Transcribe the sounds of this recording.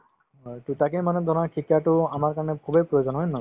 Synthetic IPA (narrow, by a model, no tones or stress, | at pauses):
tutakiimanɛdʱɔnaɹkʰikjatʊamaɹkaɹɔnɛkʰubejpɹɔjozɔnɦojnɔ